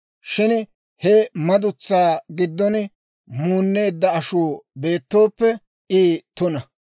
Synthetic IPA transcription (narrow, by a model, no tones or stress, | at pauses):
ʃɪn | hɛmɐd̪ʊt͡sːaːɡɪd̪ːɔn | muːnːe̞ːd̪ːɐɐʃuːbe̞ːt̪ːo̞ːpːɛ | ʔiːt̪ʊnɐ